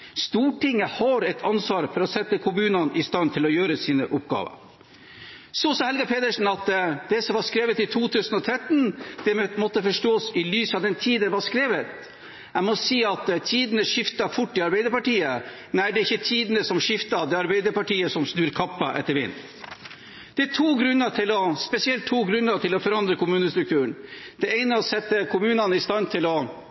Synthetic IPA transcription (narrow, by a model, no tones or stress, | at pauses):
st̪uːʈɪŋːəhɑɾɛt̪ʰɑnsʋɑːɾfɔɾɔsɛt̪ːəkʰʊmʉːnɑnɪst̪ɑnt̪ʰɪlɔjøːɾəsiːnəʔʊpɡɑ̰ːʋə̰ɾ | sɔsɑːhɛlɡɑpʰeːd̪əʂn̩ɑt̪d̪̥ɛsɔmʋɑɾʂkɾeːʋət̪ɪt̪ʰuːt̪ʰʉːsənɔt̪ʰɾɛt̪nd̪̥ɛmɔt̪ːəfɔʂʈoːsɪlyːsɑʋd̪ɛnt̪ʰiːd̪əʋɑʂkɾeːʋət̪ | æmɔsiːɑt̪t̪ʰiːd̪ənəʂɪft̪ɑfʊʈːɪɑɾbæɪd̪əɾpɑʈiːə | næɪɖɛɾɪçːət̪ʰiːd̪ənəsɔmʂɪft̪ɑd̪ɛɑɾbɛɪd̪əɾpɑʈiːəsɔmsnʉːɾkʰɑpːɑʔɛ̰t̪ːəɾʋɪ̰ːn | d̪̥ɛæt̪ʰuːɡɾʉnəʈʰɪlɔspɛsɪɛlt̪ʰːuːɡɾʉnːəɾʈʰɪlɔfɔɾɑnd̪ɾəkʊmʉːnəst̪ɾʉk̚t̪ʰʉːəɳ | d̪̥ɛeɪnəɔsɛt̪ːəkʰʊmʉːnɑnəɪst̪ɑnt̪ʰɪlɔ